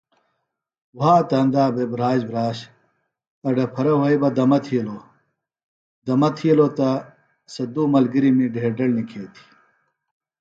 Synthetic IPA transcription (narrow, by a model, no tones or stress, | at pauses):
waːt̪ɐnd̪aːbebɾaːd͡ʑbɾaːɕ | ɐɖɐpʰɐɾɐwɐjbɐd̪ɐmɐt̪ʰiɐlo | d̪ɐmɐt̪ʰijɐlot̪ɐ | sɐd̪uːmɐlɡiɾimiɖeeːɖɐlnikʰeːt̪ʰi̥